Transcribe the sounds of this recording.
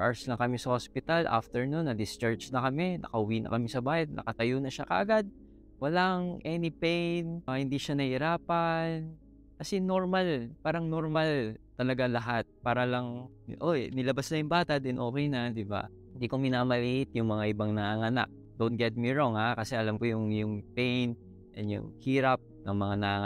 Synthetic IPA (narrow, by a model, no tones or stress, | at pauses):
ʔaɹslɐŋkɐmisɐhospɪt̪ɐlʔa̰ft̪ɛɹnunːɐd̪ɪst͡ʃaɹt͡ʃnɐkɐmɛnʔɐ̰kɐhʊwinɐ̰kɐmɛsɐbaːhɛd̪̚nɐ̰kɐt̪ɐjonɐʃakɐ̰ʔɐɡad̪̚ | wɐlaʔŋʔɛnɪpɛjnhɪnd̪iʃanɐhɪɾaːpɐn | kɐsɛnoɹmɐlpaːɾɐŋnoɹmalt̪ɐlɐɡalɐɦat̪̚paːɾɐlɐŋ | ʔonɪlɐbasnɐjʊŋbaːt̪ɐd̪ɛnʔo̞ːkɛjnɐd̪ɪba̰ | ɪnd̪iːkomɪnaːmɐliːhɪt̪̚jʊŋmɐŋaʔɪbaŋnɐaŋɐna̰k̚ | d̪on̚ɡɛt̪̚miɹoŋhakɐsɛʔɐlamkojʊŋjʊŋpɛjn | ʔɛnjʊ̰hiːɾɐp̚nɐŋmɐŋanɐaŋ